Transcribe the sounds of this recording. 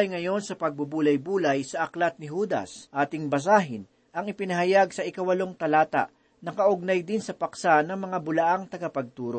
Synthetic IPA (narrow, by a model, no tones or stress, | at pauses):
jŋɐjo̞nsɐpɐɡ̚bʊbuːlɐjbuːlɐjsɐʔɐklat̪̚nɪɦuːd̪ɐ̰sʔaːt̪ɪŋbɐs̬aːɦɪn | ɐŋɪpɪnɐɦɐjaɡsɐʔɪkawɐlo̞ŋt̪ɐlaːt̪a̰ʔ | nɐkɐʔʊɡ̚najd̪ɪnsɐpɐksanɐŋmɐŋabʊlaʔaŋt̪ɐɡɐpɐɡ̚t̪uːɾo̰ʔ